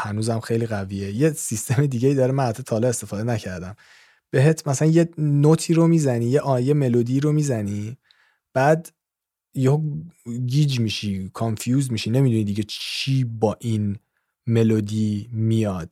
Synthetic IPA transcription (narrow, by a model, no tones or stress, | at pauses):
hænuːzæmxe̞jliɣæviːeje̞sist̪ʰe̞med̪iːɟeid̪ɒːɾemænhæt̪ʰːot̪ʰɒːlɒe̞st̪e̞fɒːd̪enæcʰæɾd̪æm | b̥e̞ɦet̪ʰmæsælænje̞not̪ʰiːɾomiːzæniːjeʔɒje̞me̞lod̪iːɾomiːzæni | b̥æːd̪ | jeoɡiːd͡ʒmiʃikʰonfjuːzmiʃine̞mid̪unid̪iːɟe̞t͡ʃʰiːbɒːʔin | me̞lod̪iːmijɒd̪̥̚